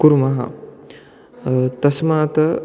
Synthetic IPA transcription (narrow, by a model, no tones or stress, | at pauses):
kuɾmɐɦɐ̰ | t̪ɐsmaːt̪ɐ